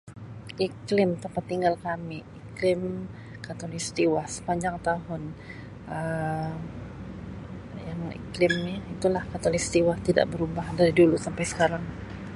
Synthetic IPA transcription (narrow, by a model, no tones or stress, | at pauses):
iklɪmt̪əmpat̪ːiŋɡalkamiiklɪm | kat̪olist̪iwahsə̥paɲd͡ʒaŋt̪aɦʊn | ʔə | jaŋḭklɪmniit̪ulahkat̪olist̪iwaht̪ida̰ʔbəɾubahdaɾidulusampajsə̥kaɾaŋ